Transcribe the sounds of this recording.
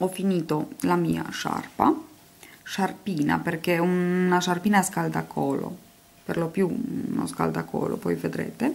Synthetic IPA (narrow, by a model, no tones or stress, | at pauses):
ɔfːiniːt̪olamiːa̰ʃa̰rpa | ʃarpiːna̰perkeunaʃarpiːnaskald̪akʰːɔːlo̰ | perlopjuno̰ska̰ld̪akʰɔ̰ːlo̰pɔjved̪ɾḛːt̪e